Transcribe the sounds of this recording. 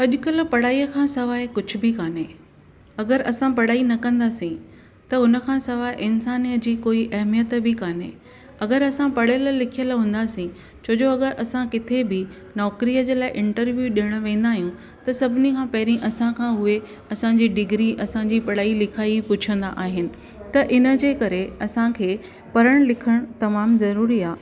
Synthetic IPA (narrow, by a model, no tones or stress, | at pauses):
ɐʄʊkɐl̆pɐɽaːiːəkʰãːsɐʋaːɦekʊd͡ʑʱʊ̆bɪkaːnɦe | ɐɡəɾɐsãpɐɽ̤aːinɐkɐ̃nd̪aːsĩ | t̪ɐʊnə̆kʰãːsɐʋaːeʔɪnsaːnijəd͡ʑiːkoːiʔɐɦmijət̪bɪkaːnḛ | ɐɡəɾɐsãpɐɽ̤əl̆lɪkʰijəlɦũːnd̪aːsĩ | t͡ɕʰoːd͡ʑoɐɡəɾʔɐsãkɪt̪ʰebɪ | nɔːkɾijəd͡ʑeːlaːɪʔɪ̃ɳʈəɾʋjuɗiəɽ̃̆ʋẽːn̆d̪aːɦijũ | t̪ɐsɐbʱɪnikʰãːpɐɦɪɾĩʔɐsãkʰãːɦʊe | ɐsãd͡ʑiːɖɪɡɾiʔɐsãɲd͡ʑiːpɐɽaːilɪkʰaːipʊt͡ɕʰə̃nd̪a̰ʔaːɦɪnɪ̆ | t̪ɐʔɪnə̆d͡ʑeːkɐɾeɐsãkʰeː | pɐɾəɽ̃lɪkʰəɽ̃t̪ɐmaːmzɐɾuːɾiaː